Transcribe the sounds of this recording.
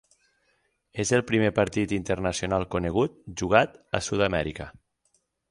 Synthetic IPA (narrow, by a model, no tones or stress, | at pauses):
ezelˠpɾimepaɾt̪it̪int̪ernəsjonalˠkuneɣ̞ut̪̚ʒuɣ̞at̪a̰suðamɛɾikə